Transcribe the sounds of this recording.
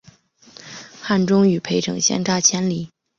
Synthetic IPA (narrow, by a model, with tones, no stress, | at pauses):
xa˥˩nʈ͡ʂʊ˥ŋy˨˩pʰe˧˥ɪʈ͡ʂʰɤ̰˨˩ŋɕjɛ̰˥nʈ͡ʂa˥˩t͡ɕʰjɛ˥nli˨˩˦